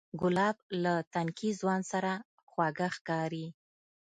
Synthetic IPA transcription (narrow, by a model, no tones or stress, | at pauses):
ɡʊlɑb̚lat̪ankʰizwɑnd̪saɾa | xwaɡaxkɑɾi